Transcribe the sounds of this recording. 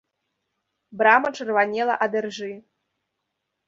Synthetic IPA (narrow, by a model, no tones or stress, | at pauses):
bɾamɐʈ͡ʂɨrvanʲelˠɐ̰ʔad̪ɨrʐɨ